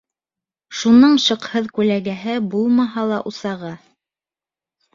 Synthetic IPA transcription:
ʃunɤɴʃɤ̆qhɤðkʉlæɡæɦɘbulˠmɑɦɑlˠɑʔusɑʁɑ

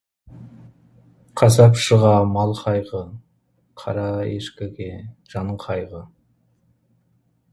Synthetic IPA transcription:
qʰɑsɑpʃəʁɑmɑlˠqʰɑjʁə | qʰɑ̰ɾɑḛʃkʲeɡʲeʒ̥ɑnɴqʰɑjʁə

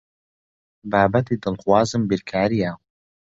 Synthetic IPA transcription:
baːbɐt̪iːd̪ɨlxwaːzɨmbiɾkʰaːɾija

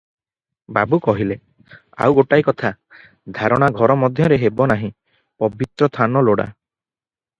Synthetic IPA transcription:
babukɔɦile | a̰wɡoʈajkɔt̪ʰa | d̪ʱaɾɔɽ̃aɡʱɔɾɔmɔd̪ʱjɔɾeɦebɔnaɦĩ | pɔbit̪ɾɔt̪ʰanɔloɽa̰

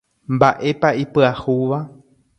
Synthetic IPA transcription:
mbaʔe̞paipɨahuʋa

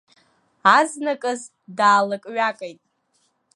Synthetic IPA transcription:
aznakʼɨz | daːlakʼɥakʼejtʼ

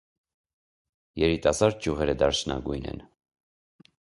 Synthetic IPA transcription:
jɛɾit̪ɑsɑɾd̪̚d͡ʒjuʁɛɾəd̪ɑɾt͡ʃʰnʔɑ̰ɡujnɛ̰n

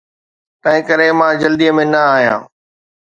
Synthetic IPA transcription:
t̪ɐ̃ɦɪ̃kəɾemãːd͡ʑɐld̪ijəmẽnɐaːɦijã̰ː

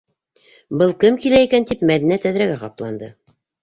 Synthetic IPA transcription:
bɤlˠkɘmkilæikænt̪ipmæðinæt̪æðɾæɡæqɑplˠɑ̰nd̪ɤ

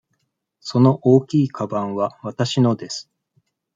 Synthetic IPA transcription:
so̞no̞ʔo̞ːkʲiːkʰabãɰ̃βaβat̪aɕino̞d̪e̞sɨ̥

